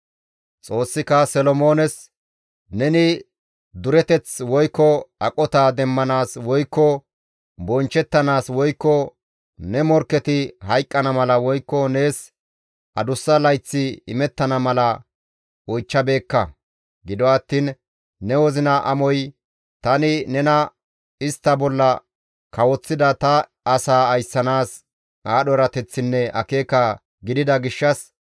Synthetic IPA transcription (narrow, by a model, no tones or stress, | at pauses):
t͡sʼo̞ːsːɪkɐsɛlɔmo̞ːnɛs | nɛnɪ | d̪ʊɾɛt̪ɛt͡swɔjkːɔʔɐkʼɔt̪aːd̪ɛmːɐnaːswɔjkːɔ | bɔnt͡ʃːɛt̪ːɐnaːswɔjkːɔ | nɛmɔɾkːɛt̪ɪhɐjkʼːɐnɐmɐlɐwɔjkːɔne̞ːs | ʔɐd̪ʊsːɐlɐjt͡sːɪɪmɛt̪ːɐnɐmɐlɐ | ɔjt͡ʃːɐbe̞ːkːɐ | ɡɪd̪ɔɐt̪ːiːnː | ɛwɔzɪnɐʔɐmɔj | t̪ɐnɪnɛnɐ | ɪst̪ːɐbɔlːɐ | kɐwɔt͡sːɪd̪ɐt̪ɐ | ɐsaːɐjsːɐnaːs | aːɗɔɾɐt̪ɛt͡sːɪnːɛɐ̰ke̞ːkɐ | ɡɪd̪ɪd̪ɐɡɪʃːɐs